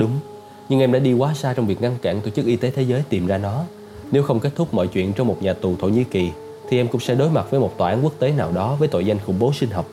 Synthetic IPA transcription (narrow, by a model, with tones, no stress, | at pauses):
ɗʊ˨˦ŋ͡m | ɲɨ˧ŋʔɛ˧mɗa̰ː˧˥ɗi˧kwaː˨˦saː˧t͡ɕɔ˧wŋ͡mvi˨˩ək̚ŋa˧ŋka̰ː˧˨nt̪o˧˩t͡ɕɨ˦˥k̚ʔi˧t̪e˨˦t̪ʰe˨˦zəː˨˦jt̪i˨˩mzaː˧nɔ˨˦ | ne˨˦wxə˧wŋ͡mke˦˥t̚t̪ʰʊ˦˥k͡p̚mɔ̰˧˨jt͡ɕwḭ˧˨ənt͡ɕɔ˧wŋ͡mmo˨˩t̚ɲaː˨˩t̪u˨˩t̪ʰo̰˧˨ɲḭ˧˨ki˨˩ | t̪ʰi˨˩ʔɛ˧mkʊ̰˧˥ŋ͡msɛ̰˧˥ɗo˨˦jma˨˩t̚və˨˦jmo˨˩t̚t̪waː˧˩aː˨˦nku˦˥ək̚t̪e˨˦naː˨˩wɗɔ˨˦vəː˨˦jt̪o̰˧˨jza˧jŋ̟xʊ̰˧˥ŋ͡mɓo˨˦sï˧ŋ̟ɦɔ˨˩wk͡p̚